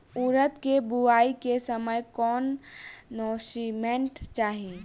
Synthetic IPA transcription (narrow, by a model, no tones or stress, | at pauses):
uːɾət̪kebuaːikesəməjkɔːnː | ɔːsimẽɳʈt͡ʃaːɦi